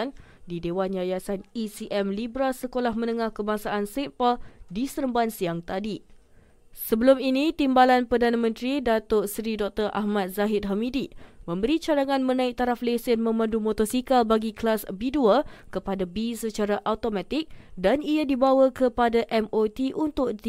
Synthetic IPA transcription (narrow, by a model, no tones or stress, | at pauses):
ndidewanjajasanisiʔɛmlibɾasəkolahmə̃nəŋahkəbaŋsaʔansɛpaldisəɾəmbansiaŋt̪adi | səbəlʊminĩt̪imbalanpərdanamə̃nt̪ɾidat̪oʔsɾidɔk̚t̪ərʔa̰hmat̪̚zaɦɪt̪̚ɦamidimə̃mbəɾit͡ʃadaŋãnmənãɪk̚t̪aɾaflesɪnmə̃mãndumot̪ɔsikalbaɡiklasbiduakəpadabisət͡ʃaɾaʔawt̪omat̪ɪk̚daniadibawakəpadaʔɛmot̪iʔunt̪ʊk̚